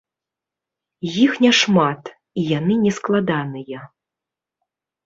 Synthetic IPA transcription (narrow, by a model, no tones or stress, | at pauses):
jixnʲɛʂmat̪ | ijan̪ɨnʲɛsklˠad̪anɨjɐ